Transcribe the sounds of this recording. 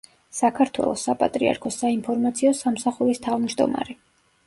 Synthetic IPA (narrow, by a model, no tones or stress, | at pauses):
sakʰaɾt̪ʰwɛ̰lˠɔsːapʼat̪ʼɾia̰ɾkʰɔsainpʰɔɾmat̪sʰiɔsamsaχuɾist̪ʰavmd͡ʒd̪ɔ̰ma̰ɾɛ